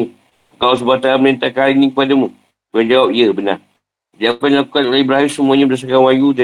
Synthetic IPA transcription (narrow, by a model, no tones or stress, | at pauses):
kaws̬əbat̪aamənent̪akaɾinĩkə̥padamũ | kand͡ʒawap̚iəbəna̰ | diaukandilakukanolehbəɾaɦimsəmuaɲãbədas̬akanwajuda